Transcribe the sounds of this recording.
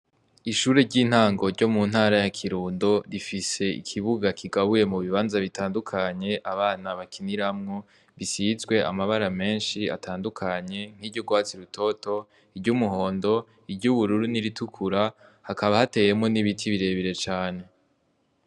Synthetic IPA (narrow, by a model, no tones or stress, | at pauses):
iʃuːɾe̞ɾɟiːn̥haːŋɡo̞ɾɟo̞mun̥haːɾajakʰiɾuːndo̞ɾifise̞ḭkʰiβuɡakʰiɡaβuje̞muβiβaːnzaβitaːndukʰaɲe̞ʔaβaːnaβakʰiniɾamŋo | βisizɡwe̞a̰maβaɾame̞ːnʃia̰tʰaːndukʰaɲe̞ŋ̥hiːɟoɡwaːt͡siɾutʰo̞to̞ | ibɟumuɦo̞ːndo̞ | ibɟuβuɾuɾuniɾitukʰuɾahakaβahate̞ːje̞mŋo̞niβitʰiβiɾe̞ːβiɾe̞t͡ʃaːne̞